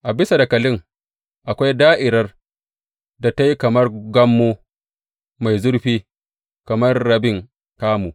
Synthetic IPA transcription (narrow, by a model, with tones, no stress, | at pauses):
ʔa˨bɪ˦sa˨da˨kɐ˨lɪ˦ŋ | ʔa˨kʷa˦jdaː˦ʔɪ˨ɾɐ˦r | da˨ta˦ji˦kɐ˨mɐ˦rɡɐ˦mːuː˦ | ma˨jzʊ˦ɾɸiː˦ | kɐ˨mɐ˦rːɐ˨bɪ˦˨ŋ | kaː˦muː˨